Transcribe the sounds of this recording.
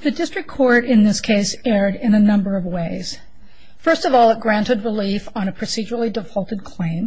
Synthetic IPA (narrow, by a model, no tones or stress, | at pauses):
ðɨdɪstɹ̥ɨkʰːɔɹɾɨ̃nðɪskʰeɪsɛɹɾɪ̃nɨnʌ̃mbə˞ʌvweɪz̥ | fɜ˞stʌvɔlˠət̚ɡ̥ɹæ̃ntɨd̚ɹɨlifn̩ɨpʰɹ̥ɨsid͡ʒə˞l̩ˠidɨfɔlˠtɨd̚kʰl̥ẽɪ̃m